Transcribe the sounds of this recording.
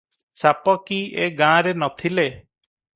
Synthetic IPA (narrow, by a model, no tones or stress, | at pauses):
sapɔkieɡãɾenɔt̪ʰile